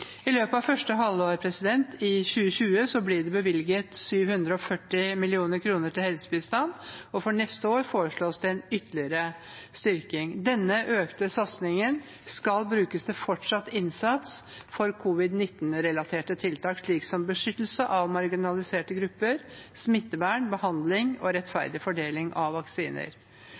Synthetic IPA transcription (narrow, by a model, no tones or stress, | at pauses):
ɪløːpəɑʋfœʂʈəɦɑlːoːɾpʰɾɛsɪd̪ɛnt̪ʰɪɕʉːəçʉːəsɔblɪɖɛbəʋɪlɡət̪syːʋhʉnd̪ɾəɔfœʈːɪmɪlɪuːnəɾkʰɾuːnəʈɪlhɛlsə̥bɪst̪ɑnɔfɔɳɛst̪əoːɾfoːɾəʂɭoːsd̪ɛɛnʏt̪əlɪəɾə | st̪ʏɾkɪŋd̪ɛnːəʔøːkt̪əsɑt̪snɪŋən | skɑlbɾʉːkəsd̪ɛfɔʈʂɑt̪ːɪnsɑt̪s | fɔɾkʰʊʋɪd̪nɪt̪ːnɾɛlɑt̪ʰeːʈət̪ʰɪlt̪ʰɑːkʂɭiːksɔmbəʂʏt̪l̩səʔɑʋmɑɾɡɪnɑlɪseːʈəɡɾʉpːəɾsmɪt̪ːəbæːɳbəhɑnd̪lɪŋɔɾɛt̪fæ̰ɾd̪ɪfɔɖeːlɪŋʔɑʋʋːɑksiːnə̰ɾ